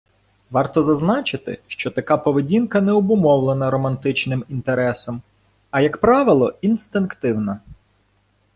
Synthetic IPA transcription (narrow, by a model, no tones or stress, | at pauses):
ʋɑrt̪ɔzɐznɑt͡ʃɪt̪ɪ̰ʃt͡ʃɔt̪ɐkɑpɔʋedʲinkɐnɛɔbʊmɔwlˠenɐɾɔmɐnt̪ɪt͡ʃnɪmint̪eɾɛsɔm | ɐjɐkpɾɑʋɪlˠɔinst̪ɪnkt̪ɪwnɐ